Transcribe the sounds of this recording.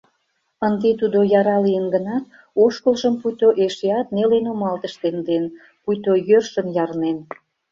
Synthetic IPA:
ənd̪et̪ud̪ojɑɾɑlijənɡənɑt̪̚ | oʃkəlʒəmpujt̪oʔeʃeɑt̪̚nelenomɑlt̪əʃt̪end̪en | pujt̪ojørʃənjɑrnen

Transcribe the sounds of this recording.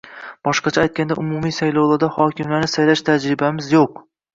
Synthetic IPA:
b̥ɒʃqɑt͡ʃʰaajt̪̚kʲand̪aʔʊmumijsajlˠawlˠaɾd̪ahɒkʲɪmlaɾnɪsajlaʃt̪ʰad͡ʒɾɪbamɪzjoq̚

